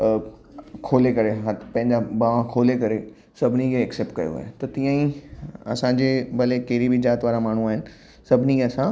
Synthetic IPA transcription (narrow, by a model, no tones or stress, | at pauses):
kʰoːlekɐɾeɦɐtpɐ̃ɦɪ̃ɲd͡ʑabaʋãkʰoːlekɐɾe | sɐbʱɪnikʰeːkseːp̚ʈ̚kɐjo̰a̰ːɦet̪ɐt̪ĩjãĩɐ̰sãɲd͡ʑebɐlekɐːɾibʱid͡ʑaːt̪ʋaːɾamaːɳ̤ũaːɦɪnɪ̆ | sɐbʱɪniɐsã